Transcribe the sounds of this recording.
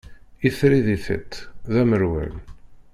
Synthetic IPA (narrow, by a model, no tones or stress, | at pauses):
iθɾiðiθə̰t̪ːðæməɾwæ̰l